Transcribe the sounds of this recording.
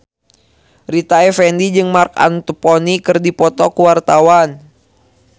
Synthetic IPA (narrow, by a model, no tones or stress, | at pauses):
rit̪aɛfɛndid͡ʒɨŋmarka̰nt̪upɔnikɨrdipɔt̪ɔkuwart̪awan